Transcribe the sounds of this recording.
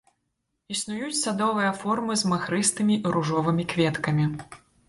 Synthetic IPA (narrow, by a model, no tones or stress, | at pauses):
isnujut͡sʲsad̪ɔvɨjɐfɔrmɨzmaxɾɨst̪ɨmʲiiɾuʐɔvɨmʲikvʲɛt̪kɐmʲi